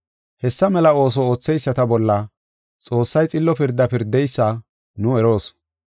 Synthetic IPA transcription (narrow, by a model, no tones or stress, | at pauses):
hɛsːɐmɛlɐo̞ːs̬ɔoːt͡sːɛjsːɐt̪ɐbɔlːɐ | t͡sʼo̞ːsːɐjt͡sʼɪlːɔpɪɾd̪ːɐpɪɾd̪ːɛjsːɐ | nʊɛɾo̞ːs